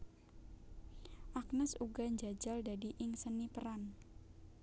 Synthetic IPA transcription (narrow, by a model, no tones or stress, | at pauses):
ʔak̚nəsuɡaɲd͡ʒad͡ʒaldadiʔɪŋsənipəɾan